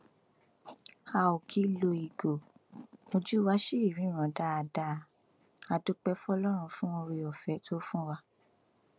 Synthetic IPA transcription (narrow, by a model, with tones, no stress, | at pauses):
a˧˨o˨kʰi˨˦lo˧i˨ɡo˨mo˧d͡ʒu˦wa˦ʃe˦i˦˨ɾĩ˨˦˨ɾ̃ã˨da˦a˧da˦˨ | a˨do˦k͡pɛ˦fɔ˧lɔ˦ɾ̃ũ˧fũ˦o˧ɾi˧ɔ˨fɛ˨˦tʰo˦fũ˦wa˧